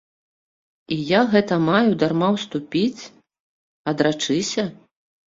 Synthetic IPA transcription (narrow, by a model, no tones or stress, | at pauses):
ijaɣɛt̪ɐmajud̪armawst̪upʲit͡sʲ | ɐd̪ɾat͡ʂɨsʲɐ